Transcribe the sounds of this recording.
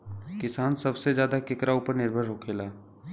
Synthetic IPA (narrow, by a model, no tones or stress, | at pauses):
kɪsaːnsɐbsezjaːd̪akɪkɾauːpəɾnɪɾbʱəɾɦoːkʰeːlaː